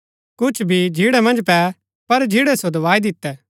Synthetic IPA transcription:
kʊt͡ʃʰbʱid͡ʒʱiɽɛmɐ̃nd͡ʒpɛ | pɐɾd͡ʒʱiɽɛsod̪ɐʋaːid̪ɪt̪ːɛː

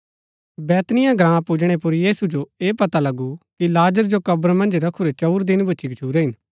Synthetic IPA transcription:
bɛːt̪nɪjãɡɾãːpʊd͡ʒɽ̃epʊɾjiːsud͡ʒoeːpɐt̪alɐɡukilaːd͡ʒəɾd͡ʒokɐbɾmɐ̃nd͡ʒɾɐkʰuɾet͡ʃɐːɾd̪ɪnbʊːt͡ʃiɡɐt͡ʃʰuːɾeɦɪn

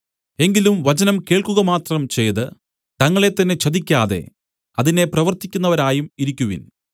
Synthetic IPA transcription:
e̞ŋɡilumʋɐt͡ɕɐnɐmke̞ːɭkuɣɐmaːt̪rɐmt͡ɕe̞jðɨ | t̪ɐŋːɐɭe̞t̪ːɐnːe̞t͡ɕɐðikʲːaːðe̞̰ | ɐðine̞prɐʋɐrt̪ikʲːunːɐʋɐɾaːjumiɾikʲːuʋḭn

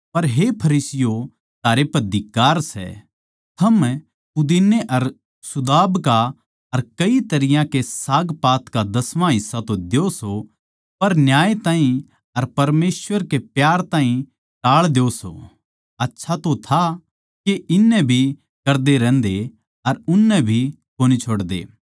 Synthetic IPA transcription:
pɐɾɦepʰɐɾiːsɪjo | t̪ʰaːɾepɐɾd̪ɪkːaːɾsɛ̰ | t̪ʰɐm | ʊd̪inːeʔɐɾ | sʊd̪aːbka | ɐɾkɐit̪ɐɾɪjãkesaːɡpaːt̪kad̪ɐsʋãɦɪsːat̪od̪eoso | pɐɾnjaːjet̪ãːɦĩ | ɐɾpɐɾmeːsʋəɾkepjaːɾt̪ãːɦĩ | ʈaːɭd̪eoso̰ | ɐtːʃʰat̪ot̪ʰa | keʔɪnːɛbʱi | kɐɾd̪eɾɛ̃ːnd̪e | ɐɾʊnːɛbʱi | koːnit͡ʃʰoːɽd̪ḛː

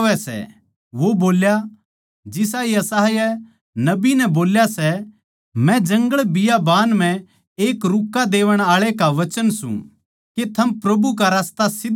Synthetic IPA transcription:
ʋɛsɛ̰ | ʋoboːlja | d͡ʒɪs̬aiɐsaːɦjɛ | nɐbinɛboːljasɛ | mɛ̃d͡ʒɐ̃ŋɡəɭbɪjabaːnm̤ɛ̃ | eːkɾʊkːad̪eːʋəɽ̃aːɭekaʋɐt͡ʃənsṵ̃ | ket̪ʰɐmpɾɐbuk̬aɾaːst̪asɪd̪

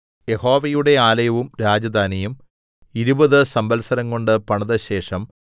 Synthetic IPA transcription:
je̞ho̞ːʋɐjuɽe̞aːlɐjɐʋumɾaːd͡ʑɐd̪aːnɐjum | iɾubɐðɨsɐmbɐlsɐɾɐŋko̞ɳɖɨpɐɳɐðɐɕe̞ːʂɐm

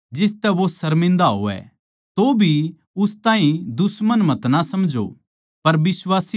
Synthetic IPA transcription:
d͡ʒɪst̪ɛʋosɐɾmɪ̃nd̪aɦo̰ːɛ̰ | t̪obʱi | ʊst̪ãːɦĩd̪ʊsmənmɐt̪nasɐmd͡ʒo̰ | pɐɾbɪswaːsi

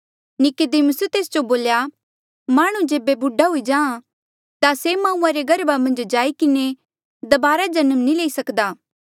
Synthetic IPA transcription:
nɪked̪eməsut̪eːsd͡ʒoboːlja | maːɽ̃ũd͡ʒeːbebʊɖaɦʊid͡ʒãːã | t̪asemãːũːãɾeɡɐɾbamɐ̃nd͡ʒd͡ʒaːikɪne | d̪ɐbaːɾad͡ʒɐnəmnĩleːisɐkd̪aː

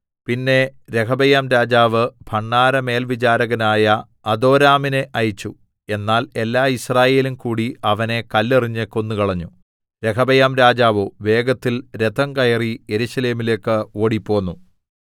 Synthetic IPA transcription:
pinːe̞ɾe̞kʰɐbɐjaːmɾaːd͡ʑaːʋɨb̥ʱɐɳːaːɾɐme̞ːlʋit͡ɕaːɾɐɣɐnaːjɐ | ɐd̪o̞ːɾaːmineʔɐjit͡ɕːu | e̞nːaːle̞lːaːisraːje̞ːlumkuːɽiɐʋɐne̞kɐlːeriɲːekːo̞nːukɐɭɐɲːu | ɾe̞kʰɐbɐjaːmɾaːd͡ʑaːʋoʋe̞ːɡɐt̪ːilɾe̞d̪ɐŋkɐjɐrije̞ɾuɕɐle̞ːmile̞ːkːɨo̞ːɽipːo̞ːnːu

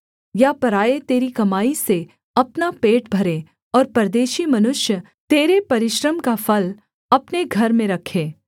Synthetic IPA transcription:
japɐɾaːet̪eːɾikɐmaːise | ɐpnapeːʈbʱɐɾe | ɔːɾpɐɾd̪eːʃimɐnʊʃjə | t̪eːɾepɐɾɪʃɾəmkafɐl | ɐpneɡʱɐɾmẽɾɐkʰeː

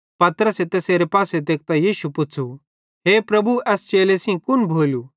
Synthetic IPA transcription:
pɐt̪ɾəset̪eseːɾepaːsed̪eːk̚t̪ajiːʃupʊt͡sʰu | ɦeːpɾɐbuɛːst͡ʃeːlesĩkʊnbʱoːlu

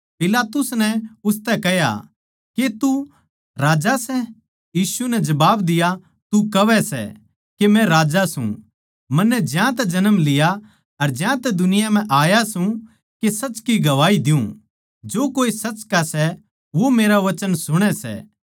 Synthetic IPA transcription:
pɪlaːt̪ʊsnɛʊst̪ɛkɛɦja̰ | ket̪u | ɾaːd͡ʒasɛ | jiːsunɛd͡ʒɐbaːbd̪ɪja | t̪ukɐʋɛsɛ̰ | kemɛ̃ɾaːd͡ʒasṵ̃ | mɐ̃nːɛd͡ʒjãt̪ɛd͡ʒɐnəmlɪja | ɐɾd͡ʒjãt̪ɛd̪ʊnɪjam̤ɛ̃ʔaːjasũ | kesɐt͡ʃkiɡɐʋaːid̪ɪjũ | d͡ʒoːkoːisɐt͡ʃkasɛ | ʋomeːɾaʋɐt͡ʃənsʊɽ̃ɛsɛ̰ː

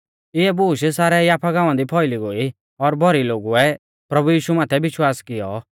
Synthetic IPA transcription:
ɪɛbuːʃsaːɾɛjaːpʰaɡãːʊ̃ãd̪ipʰɔɪliɡoːi | ɔɾbʱɔɾiloːɡuɛ | pɾɐbujiːʃumaːt̪ʰɛbɪʃwaːskɪjɔ̰

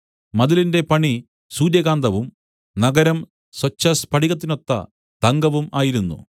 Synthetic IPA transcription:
mɐðilinde̞pɐɳi | suːɾjɐɣaːnd̪ɐʋum | nɐɡɐɾɐm | swɐt͡ɕːɐspɐʈiɣɐt̪̬ːino̞t̪ːɐ̰ | t̪ɐŋɡɐʋumaːjiɾunːṵ

